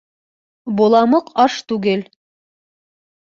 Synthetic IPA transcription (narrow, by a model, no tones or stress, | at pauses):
bŏlˠɑmɤqɑʃt̪ʉɡɘl